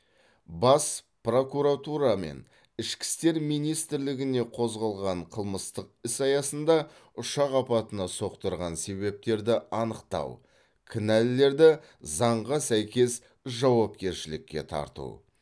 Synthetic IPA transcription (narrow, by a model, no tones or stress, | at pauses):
bɑs | pro̞kuɾat̪uɾɑme̞̰n | ɪʃkʲɪ̥st̪e̞ɾmijnijst̪ɪɾlɪɡʲɪne̞qʰo̞zʁɑlˠʁɑɴqʰəlˠməst̪əq̚ɪsɑjɑsənd̪ɑ | ʊʃɑqɑpɑt̪ənɑso̞qt̪əɾʁɑnse̞βe̞p̚t̪e̞ɾd̪ɪɑnəqt̪ɑ̰w | kʲʰɪnælːe̞ɾd̪ɪ | zɑɴʁɑsæjkʲe̞s | ʒɑwɑp̚kʲe̞ɾʃɪlɪkʲːe̞̰t̪ʰɑ̰ɾt̪ṵ